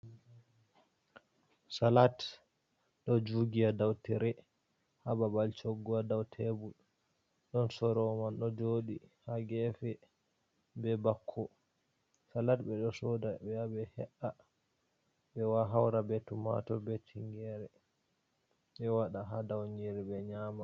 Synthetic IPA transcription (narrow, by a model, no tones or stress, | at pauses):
salat | ɗɔd͡ʒuɡiadawtɛɾɛ | hababalt͡ʃoɡːuadawtʰɛbul | ɗɔnsɔɾɔmanɗɔd͡ʒoɗihaɡɛfɛ | bɛbakʰːɔ | salatbɛɗɔsɔdaɛabɛhɛ̰ʔa | bɛwaɦawɾabɛtuma̰tɔbɛtʰiŋɡɛɾɛ | ɓɛwaɗaɦadawɲiɾɛbɛɲaːma